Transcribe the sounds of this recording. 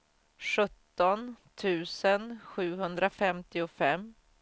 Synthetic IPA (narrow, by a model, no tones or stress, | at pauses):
ʂɵt̪ːɔnt̪ʰʉ̟ːsənɧʉ̟ːɦɵnd̪ɾafɛmt̪ɪʊfɛmː